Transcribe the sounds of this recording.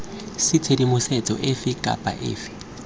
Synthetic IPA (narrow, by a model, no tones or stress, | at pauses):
sɪt͡sʰedimʊsɛt͡sʼɔ̰ʔɪfɪkʼa̰pʼa̰ʔɪ̰ːfɪ̥